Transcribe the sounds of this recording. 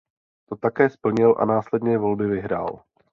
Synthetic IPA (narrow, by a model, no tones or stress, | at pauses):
t̪o̞t̪akɛːspl̩ɲɪlʔa̰naːslɛd̪ɲɛjɛvo̞lbɪvɪɦɾa̰ːl